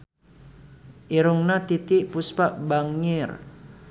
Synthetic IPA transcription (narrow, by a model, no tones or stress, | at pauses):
ʔiɾuŋnat̪it̪iʔpuspaʔbaŋɪr